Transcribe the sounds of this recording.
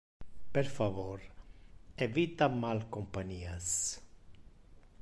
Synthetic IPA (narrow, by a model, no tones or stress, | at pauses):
peɾfavoɾ | evit̪amalkompaɲias